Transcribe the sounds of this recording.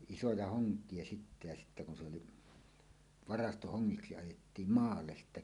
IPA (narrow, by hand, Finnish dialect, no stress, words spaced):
isojɑ hoŋkˑie sitːæ jɑ sitːæ kun se oli ʋɑrɑstohoŋːiksi ɑjetːiːm mɑːlːes sitːæ